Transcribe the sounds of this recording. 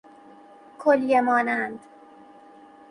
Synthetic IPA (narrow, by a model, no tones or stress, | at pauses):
kʰoljemɒːnænd̪